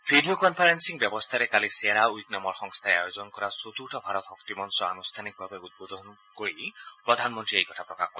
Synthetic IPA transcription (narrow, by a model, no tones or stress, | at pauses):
pʰiɖokɔnpʰaɾensiŋbjɔbɔst̪ʰaɾekaliseɾauiknamɔɾxɔŋst̪ʰaeajod͡ʒɔnkɔɾasot̪uɾʈʰɔbʱaɾɔt̪ɔkt̪imɔnsɔanust̪ʰanik̚bʱabeud̪̚bod̪ʱɔn | koɾipɾɔd̪ʱanmɔnt̪ɾiejkɔʈʰapɾɔkakɔɾ